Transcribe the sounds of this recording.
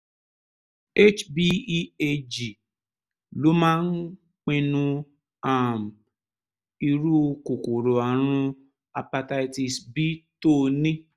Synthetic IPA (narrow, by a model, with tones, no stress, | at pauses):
e˦t͡ʃbi˧e˧d͡ʒi˨ | lo˦mãː˦n̩˦ | k͡pĩ˧nũ˧ | a˨m̩˨ | i˧ɾu˦˧ko˨ko˨ɾo˨a˨ɾ̃ũ˧ | a˧pa˧ta˧i˧ti˧sbi˦to˦˨nĩ˦